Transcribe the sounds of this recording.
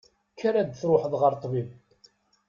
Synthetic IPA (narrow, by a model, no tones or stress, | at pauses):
kːaɾad̪θɾoħəðʁəɾˤt̪ˤːviv